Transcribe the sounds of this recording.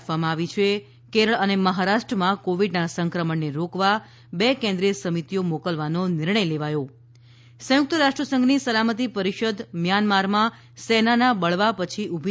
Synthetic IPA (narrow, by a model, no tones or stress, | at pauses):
ʋamãaʋit͡ʃʰe | keɾəɭəneməɦaɾaʃʈɾəmãkoʋiɖnasəŋkɾəməɳːeɾokʋa | bekɛ̃nd̪ɾijəsəmit̪ijomokəlʋanonɪɾɳəjleʋajo | sə̃jʊk̚t̪əɾaʂʈɾəsə̃ŋɡnisəlamət̪ipəɾiʃəd̪mjanmaɾmã | sɛnanabəɭʋapət͡ʃʰiʔubʱi